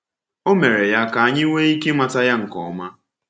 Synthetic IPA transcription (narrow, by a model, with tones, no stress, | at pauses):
o˦me˨ɾe˨ja˦ka˨a˦ɲɪ˦ŋʷe˦i˦ke˦ma˨ta˦ja˦ŋ̩˨kɔ̰˨ma˦